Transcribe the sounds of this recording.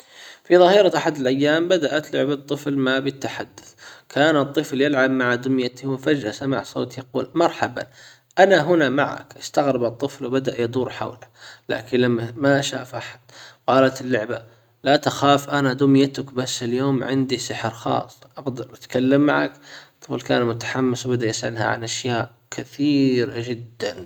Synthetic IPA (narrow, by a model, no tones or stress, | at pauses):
fiðˤɑhiːɾˤaʔaħad̪ɪlʔajːaːmbad̪aʔat̪lʊ̰ʕbɑt̪ˤːɨflmabɪt̪ːaħad̪ːʊ̥θkʰaːnɨt̪ˤːɨfljɪlʕabmaʕad̪ʊmjat̪iwɪfad͡ʒasamaʕsˤo̰ːt̪jɑquːlmɑɾˤħaba̰ | ʔanaɦʊnamaʕa̰kʔɪst̪aɣɾɪbɨt̪ˤːɨflwbad̪aʔjɑd̪ˤuːɾħa̰wlala̰ːkɪnlamːamaʃaːfʔaħḁd̪qɑːlat̪ɪlːʊʕba | lat̪axaːfʔanad̪ʊmjat̪ʊkbasːɪljoːmʕɪnd̪isɪħɾxɑ̰ːsˤːʔɑɡd̪ɑɾˤʔat̪kalːamːa̰ʕa̰kt̪ˤːɨflka̰ːnmʊt̪ḁħamːɪswbad̪ajɪsʔa̰lha̰ʕa̰nʔaʃjaːʔ | kʰɪθiːɾad͡ʒɪd̪ːan